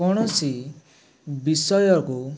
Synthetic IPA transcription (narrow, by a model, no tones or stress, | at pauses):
ɔɽ̃ɔsi | bisɔjɔku